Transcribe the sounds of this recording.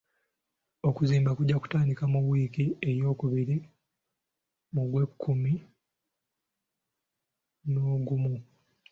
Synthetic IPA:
o̞kuziːmbakuɟːaku̥taːndikamuβwiːkiejo̞ːkuβiɾi | muɡwe̞kʰːumi | noːɡumu

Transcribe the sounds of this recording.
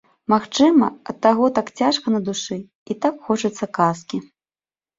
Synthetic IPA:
maxt͡ʂɨmɐ̰ɐt̪ːaɣɔt̪akt͡sʲaʂkɐnɐd̪uʂɨ | it̪akxɔt͡ʂɐt̪sːɐkaskʲi

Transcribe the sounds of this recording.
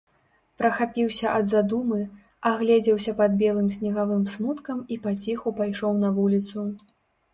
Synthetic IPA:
pɾɐxapʲiwsʲɐʔɐd̪zad̪umɨ | aɣlʲɛd͡zʲɛwsʲɐpɐd̪̚bʲɛlˠɨmsʲnʲiɣavɨmsmut̪kɐmipat͡sʲixupajʂɔwnɐvulʲit̪su

